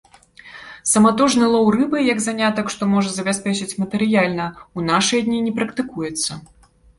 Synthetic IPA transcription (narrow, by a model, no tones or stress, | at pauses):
sɐmat̪ɔʐnɨlˠɔwɾɨbɨjɐɡzanʲat̪ɐkʂt̪ɔmɔʐɐzɐbʲasʲpʲɛt͡ʂɨt͡sʲmɐt̪ɛɾɨjalʲnɐunaʂɨjɐd̪ʲnʲinʲɛpɾɐkt̪ɨkujɛt̪sːɐ